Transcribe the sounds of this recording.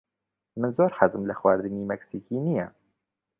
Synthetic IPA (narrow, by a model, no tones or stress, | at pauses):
mɨnzoːɾħazɨmlɨxwaːɾd̪ɨniːmɛksiːkiːnijɛ